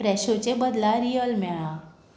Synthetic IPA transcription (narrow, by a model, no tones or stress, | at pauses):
pɾɛɕot͡ɕẽbəd̪laɾijəlmɛɭa